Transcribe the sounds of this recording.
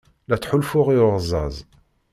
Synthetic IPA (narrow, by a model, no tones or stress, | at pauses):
læt͡sːħulfʊʁiʊʁzˤːɑ̰zˤ